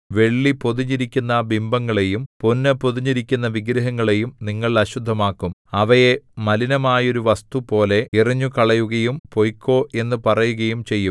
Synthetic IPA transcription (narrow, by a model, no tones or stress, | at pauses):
ʋe̞ɭːipo̞ðuɲːiɾikʲːunːɐbimbɐŋːɐɭe̞jumponːɐpoðuɲːiɾikʲːunːɐʋiɡɾɐɦɐŋːɐɭe̞jumniŋːɐɭɐɕud̪ʱːɐmaːkːumɐʋɐje̞mɐlinɐmaːjo̞ɾuʋɐst̪upo̞ːle̞iriɲːukɐɭɐjuɣɐjumpo̞jkʲːo̞ːe̞nːɨpɐrɐjuɣɐjumt͡ɕe̞jːum